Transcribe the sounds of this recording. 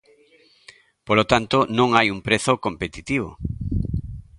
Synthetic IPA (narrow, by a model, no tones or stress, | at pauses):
polot̪ant̪onõŋajumpɾeθokompet̪it̪iβ̞o̰